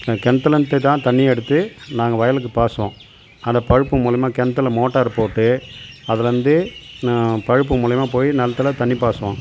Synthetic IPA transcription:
kɛnt̪ːɐlɐnt̪ːet̪ãːt̪ɐɳːiɛɽɯt̪ːɯnaːŋɡɐʋɐjɐlɯk̬ːɯpaːsɯʋõː | ɐnd̪ɐpɐɻɯpːɯmuːlɐjɐmaːkɛnt̪ːɐlɐmoːʈːaːɾɯpoːʈːɯɐðɐʋɐnd̪ɯ | pɐɻɯpːɯmuːlɐjɐmaːpoːjinɐlɐt̪ːɐlɐt̪ɐɳːipaːsɯʋõː

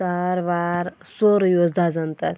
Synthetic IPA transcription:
aɾʋaɾ | soɾjozd̪ʱad͡zɐnt̪ɐ

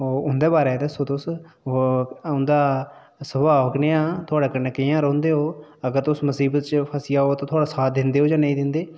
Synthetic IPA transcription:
oːʊnd̪eːbaːɾeːt̪esoːt̪ʊs | ʊnd̪aː | səbaːʋəkneãːt̪ʰʊaːɽeːkənekɪjãːɾɔ̃ːnd̪eːɦoːəɡəɾt̪ʊsməsiːbət̪t͡ʃpʰəsɪjaːɦoːt̪ãːt̪ʰʊaːɽaːsaːt̪̚d̪ɪnd̪eːɦoːd͡ʒãːnəĩːd̪ɪnd̪eː

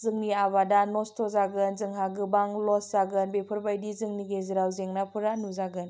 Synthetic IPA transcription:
zɯŋniaβadanɔstʰɔzaɡɯnzɯŋɦaɡɯbaŋlɔszaɡɯnbepʰɯɾbajdizɯŋniɡeziɾawzeŋnapʰɯɾanuzaɡɯn

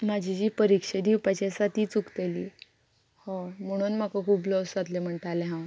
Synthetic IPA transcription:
mad͡ʑʱid͡ʑiːpəɾikʂed̪iwpat͡ɕasat̪iːt͡sukt̪eliː | hɔm̤əɽ̃uːnm̤akakʰuːblɔsat̪lem̤əɳʈ̪aleɦãw

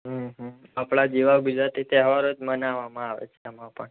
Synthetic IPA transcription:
ɦə̃ɦapɭad͡ʒiʋaɡud͡ʒɾat̪it̪eɦəʋaɾod͡ʒmənaʋamãaʋḛt͡ʃʰeamãpəɳ

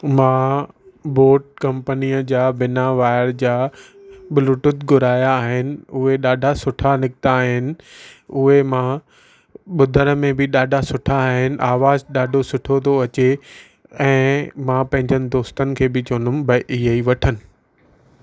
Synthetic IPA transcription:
mãː | boːɾʈ̚kɐ̃mpənijəd͡ʑaːbɪnaʋaːɪɾd͡ʑaː | ɓɪluʈʊt̪ɡʊɾaːjaːɦɪnɪ̆ʊɦeɗaːɖʱasʊʈʰanɪkɪt̪aːɦɪnɪ̆ʊɦemã | ɓʊd̪ʱəɾəmẽbʱɪɗaːɖʱasʊʈʰaːɦɪnɪ̆ʔaːʋaːzɗaːɖʱosʊʈʰot̪ʰoɐt͡ɕe | ɛ̃ːmãːpɐ̃ɦɪ̃ɲd͡ʑənɪ̆d̪oːst̪ənɪ̆kʰeːbɪt͡ɕoːnʊmbɐʔɪɦeiʋɐʈʰənɪ̆

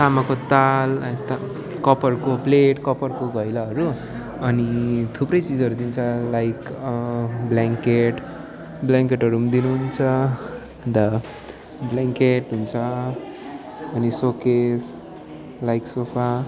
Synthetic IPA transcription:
samakot̪alt̪ | kʌpʌrkopleʈkʌpʌrkoɡʌjlaʌɾu | ʌnit̪ʰuprʌjt͡sid͡zʌɾud̪int͡sʰʌlajk | blaŋkeʈ | blaŋkeʈɦʌɾumd̪inuɦunt͡sʰʌ | d̪ʌ | blaŋkeʈɦunt͡sʰʌ | ʌnisokes | lajksopʰa

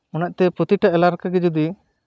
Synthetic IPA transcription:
ɔnaʔ̚ˀt̪ɛpɾɔt̪iʈaʔɛlaɾkaɡɛd͡ʒɔd̪i

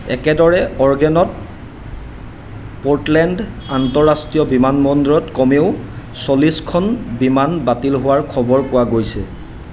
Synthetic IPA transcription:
ɛ̰kɛdɔɹɛɔɹɡɛnɔt | poɹtlɛnd | antɔɹastɹijɔbimanmɔndɔɹɔtkɔmeʊsoliskʰɔnbimanbatilɦʊwaɹkʰɔbɔɹpʊwaɡojsɛ̰

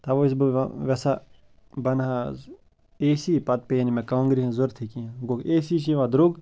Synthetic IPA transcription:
t̪ɐʋois̬bʋɛsa | bɐna | eːsipɐt̪̚penimẽkaːŋɡɾiɦẽzoɾt̪ʰikiɦãɡokeːsiʃ̬iʋãd̪ɾuɡ

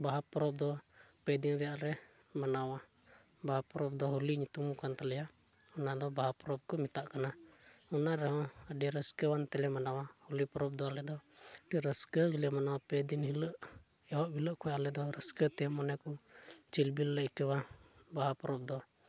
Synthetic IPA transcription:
baɦapɔɾɔb̚d̪ɔpɛd̪inɾɛjaʔɾɛ | manawa | baɦapɔɾɔp̚d̪ɔɦuliɲit̪umukant̪alɛja | ɔnad̪ɔbaɦapɔɾɔp̚kɔmit̪aʔkanaɔnaɾɛɦɔ̃əɖiɛɾəskəwant̪ɛlɛmanawahulipɔɾɔb̚d̪ɔalɛd̪ɔʈiɾəskəɡilɛamanawapɛd̪inhiləʔ | ɛɔʔbʱiləʔkʰɔaʔalɛd̪ɔɾəskət̪ɛmɔnɛkɔt͡ʃilbilːəʔkəwabaɦapɔɾɔb̚d̪ɔ

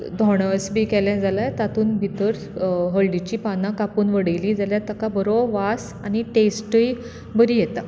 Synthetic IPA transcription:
d̪ʱɔɳ̃əsbiːkɛljãd͡zalat̪at̪ʰuːnbʱit̪əɾ | ɦəɭɖit͡ɕiːpanãkapuːnʋəɽəjliːd͡zaljãt̪əkabəɾoʋas | añiʈesʈəj | bəɾiːjɛt̪a

